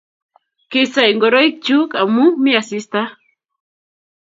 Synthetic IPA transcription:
kesajŋɡoɾojk̚t͡ʃukamukmiasist̪a

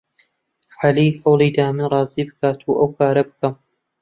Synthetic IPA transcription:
ħaliːhɐwlˠiːd̪aːmɨnrˤɑːziːbɨkaːt̪ʰuːʔɐwkʰaːɾɐbɨkɐm

